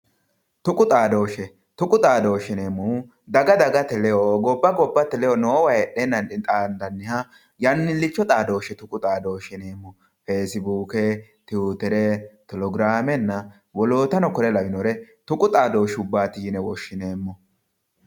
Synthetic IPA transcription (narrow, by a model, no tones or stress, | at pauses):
t̪ʊkʼʊt̪ʼaːd̪o̞ːʃɛ | t̪ʊkʼʊt̪ʼaːd̪o̞ːʃɪneːmːu | d̪ɐɡɐd̪ɐɡɐt̪ːɛlɛjɔɡɔbːɐɡɔbːɐt̪ːɛlɛjɔnɔːwɐjɛʔenːɐnɪt̪ʼaːnd̪ɐnːɪha | jɐnːɪlːɪt͡ʃːɔt̪ʼaːd̪o̞ːʃɛt̪ʊkʼʊt̪ʼaːd̪o̞ːʃɪneːmːɔ | feːsɪbuːkɛt̪ɪut̪ɛɾɛt̪ɔlɔɡɾaːmɛnːɐ | wɔloːt̪ɐnɔkɔɾɛlɐwɪnɔɾɛt̪ʊkʼʊt̪ʼaːd̪o̞ːʃʊbːaːt̪iːnɛwɔʃːɪne̞ːmːɔ